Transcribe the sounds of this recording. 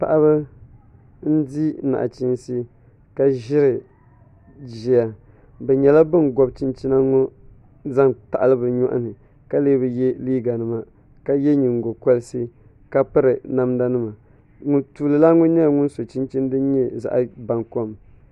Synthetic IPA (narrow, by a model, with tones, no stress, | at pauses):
pa˨ʔa˦βɨ˦ | n̩˦di˦na̰˨ʔa̰˨t͡ʃi˦nsi˦ | ka˦ʒɪ˦ɾɨ˨ | d͡ʒi˨a˨ | bɛ˨ɲɛ˨la˦bɨ˦n˨ɡɔ˦bt͡ʃi˦nt͡ʃi˦na˦ŋo˦ | za˦ŋta˨ʔa˨lɨ˦bɨ˨ɲɔ˦ʔa̰˦nɨ˨ | ka˦leː˦bɨ˨jɛ˦liː˦ɡa˨nɨ˨ma˨ | ka˦jɛ˦ɲi˨ŋ˨ɡo˨kɔ˦lɨ˦sɨ˦ | ka˦pɨ˦ɾɨ˨na˦mda˦nɨ˦ma˨ | ŋʊ˨ntuː˨lɨ˨la˦ŋʊ˦ɲɛ˦˨ŋʊ˦nso˨t͡ʃi˦nt͡ʃi˦n˦dɨ˦n˦ɲɛ˦˨za̰˨ʔa˦ba˨ŋko˦m